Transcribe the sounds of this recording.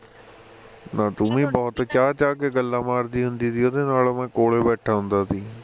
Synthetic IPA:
naːt̪ʊmĩːbɔːt̪t͡ʃaːt͡ʃaːkeɡəlːaːmaːɾd̪iːɦʊ̃nd̪iːt̪iːod̪eːnaːlmɛ̃ːkoːleːbɛːʈʰaːɦʊ̃nd̪aːt̪ʰiː

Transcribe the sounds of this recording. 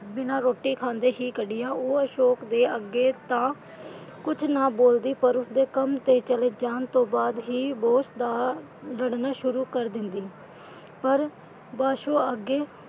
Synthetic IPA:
bɪnãːɾoːʈiːkʰãːnd̪eːɦiːkəɖijaːoːəʃoːkd̪eːəɡeːt̪ãː | kʊt͡ʃʰnaːboːld̪iːpəɾʊsd̪eːkəmt̪eːt͡ʃəleːd͡ʒaːnt̪õːbaːd̪ɦiːboːsd̪aː | ləɽnaːʃʊɾuːkəɾd̪ɪnd̪iː | pəɾ | baːʃoːəɡːeː

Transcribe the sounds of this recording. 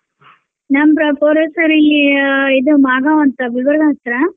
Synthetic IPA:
nɐmpɾɐpoːɾesɐɾilːiid̪umaːɡaʋɐnt̪ɐʋiʋɐɾd̪ʱaːst̪ɾɐ

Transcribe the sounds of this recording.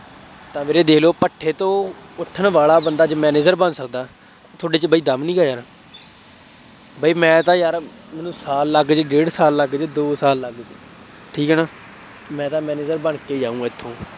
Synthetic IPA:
t̪ãːmeːɾeːd̪eːkloːpəʈʰːeːt̪õːʊʈʰːənʋaːlaːbənd̪aːd͡ʒmɛːneːd͡ʒəɾbənsəkd̪aː | t̪ʰoːɖeːt͡ʃəbəiːd̪əmnĩːɡaːjaːnaː | baːiːmɛ̃ːt̪ãːjaːɾ | mɛːnũːsaːlːəɡd͡ʒɖeːɽsaːlːəɡd͡ʒd̪oːsaːlːəɡd͡ʒ | ʈʰiːkɦɛːnaː | mɛ̃ːt̪ãːmɛːneːd͡ʒəɾbəɳkeːd͡ʒaːũːaːɪt̪ʰːõː

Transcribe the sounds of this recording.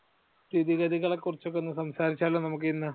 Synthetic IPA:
did̪iɣɐd̪iɣɐɭekːurit͡ɕːok̬ːenːɨsɐmsaːɾit͡ɕːaːlːunɐmuk̬ːinːɨ

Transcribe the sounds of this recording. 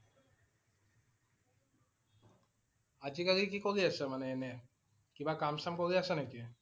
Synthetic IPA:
ad͡ʑikalikikoliasʰemaneene | kibakamsamkoliasʰenaki

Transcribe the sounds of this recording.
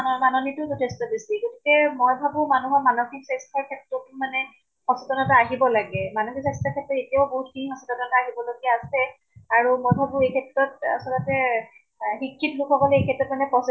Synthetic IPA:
manɔnitʊtutestɔbisiɡoti̥kɛmojbʱabũmanuɦɔɹmanɔxiksestʰɔɹkʰɛtɹɔtmanɛ | hɔsɔtɔnɔtaːɦibɔlaɡɛmanɔxizastakʰɛtɹɔetijaʊboɦutkʰinixɔsɔtɔtɔnɔtaaɦibɔloɡjaːsɛ | aɹumɔjbʱabũejkʰɛtɹɔta̰sɔlɔtɛ | ɦikʰːitlukʰɔkɔlɛejkʰɛtɹɔtmanɛpɔs

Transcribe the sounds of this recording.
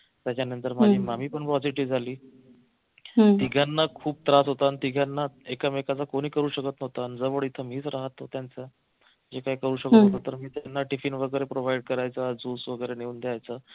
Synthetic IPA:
t̪jat͡ɕanənt̪əɾmaimam̤iːpəɳpɾɔd͡ziʈiʋd͡zʱaliː | t̪iɡʱanːakʰuːb̚t̪ɾasɦot̪ant̪iɡʱjanːaekamekat͡sakoɽ̃iːkəɾuːɕəkət̪nəɦt̪and͡zəʋəɭit̪ʰəmiːt͡sɾaɦət̪ːot̪jant͡sa | d͡ʑekajkəɾuːɕəkəət̪nt̪at̪əɾmiːt̪janːaʈifinʋəɡəjɾepɾoʋaiɽ̚kəɾajt͡sad͡zuːsʋəɡəjɾeneuːnd̪eajt͡sa

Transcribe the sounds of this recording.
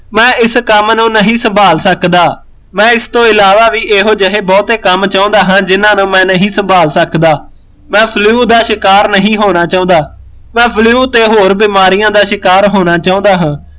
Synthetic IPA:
mɛ̃ːɪskəmnũːnəɦĩːsəmbʱaːlsəkd̪aː | mɛ̃ːɪst̪õːɪlaːʋaːʋiːʔeːɦoːd͡ʒəɦeːbɔːt̪eːkəmt͡ʃaːõːnd̪aːɦãːd͡ʒɪnãːnũːmɛ̃ːnəɦĩːsəmbʱaːlsəkd̪aː | mɛ̃ːpʰliuːd̪aːʃɪkaːɾnəɦĩːɦoːnaːt͡ʃaːõːd̪aː | mɛ̃ːpʰliuːt̪eːɦoːɾbiːmaːɾɪjãːd̪aːʃɪkaːɾɦoːnaːt͡ʃaːõːnd̪aːɦãː

